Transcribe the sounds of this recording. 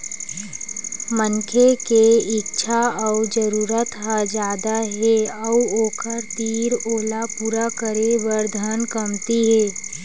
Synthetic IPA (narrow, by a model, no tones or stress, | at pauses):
mənkʰekeɪtːʃʰaɔʊd͡ʒəɾuːɾət̪ɦad͡ʒaːd̪aɦɛɔuoːkəɾt̪iːɾoːlapuːɾakəɾeʋəɾd̪ʱənkəmt̪iɦɛː